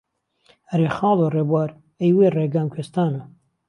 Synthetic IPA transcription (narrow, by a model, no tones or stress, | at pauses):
ɾexɑːloreːbwaːɾ | ejweːreɡaːmkʰest̪aːnɐ